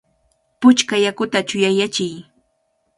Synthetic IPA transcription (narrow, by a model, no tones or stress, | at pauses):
pʊt͡ʃkajakʊt̪at͡ʃʊjajat͡ʃɪj